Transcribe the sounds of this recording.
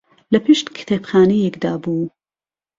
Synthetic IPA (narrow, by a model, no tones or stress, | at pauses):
lɐpɨʃt̪kʰɨ̥t̪ʰebxaːnejɛkd̪aːbuː